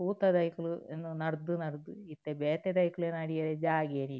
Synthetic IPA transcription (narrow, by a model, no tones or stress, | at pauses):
uːt̪ɐd̪ɐjkuluenːunɐɾd̪unɐɾd̪uit̪ːebeːt̪ed̪ɐjkuleːnɐɽijɐɾed͡ʒaːɡeːni